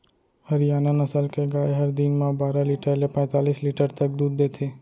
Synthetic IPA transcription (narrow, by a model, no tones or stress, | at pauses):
həɾjaːnanəsəlkeɡaːeɦəɾd̪inmãbaːɾaliːʈəlepɛ̃ːt̪aːliːsliːʈəɾt̪ək̚d̪uːd̪ːeːt̪ʰeː